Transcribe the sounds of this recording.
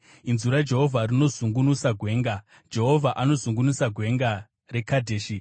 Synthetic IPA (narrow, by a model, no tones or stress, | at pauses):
inzuɾad͡ʒe̞ɦo̞vʱarino̞zuŋɡunusaɡʱwe̞ːŋɡa | d͡ʒe̞ɦo̞vʱaʔano̞zuŋɡunusaɡʱwe̞ŋɡa | ɾe̞kadʱeːʃi